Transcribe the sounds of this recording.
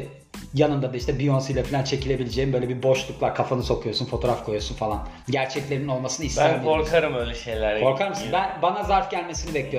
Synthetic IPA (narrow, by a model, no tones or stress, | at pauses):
janɯnd̪ad̪aiʃt̪ʰɛbijo̞nsɯjlˠafilʲant͡ʃʰe̞cʰilʲe̞bilʲed͡ʒeːimbølʲɛbiɾbo̞ʃlˠuklˠaɾkʰafanɯso̞kʰujo̞ɾsunfo̞t̪ʰo̞ɾafkʰojoɾsunfalˠan | ɟæɾt͡ʃʰɛclʲeɾinino̞lˠmasɯnɯist̪ankioɾkʰaɾɯmøjlʲɛʃe̞jlʲæɾkʰo̞ɾkʰaɾmɯsnnbænbanazaɾfɟælʲme̞sinibɛclʲijo